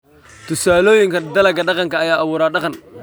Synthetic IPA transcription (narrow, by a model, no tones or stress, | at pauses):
t̪ʰʊsaːloːjɪŋkʰɐd̪ɐlɐɡɐɖɑqɑŋkʰɐːjaːʔɐβuːɾaːɖɑqɑn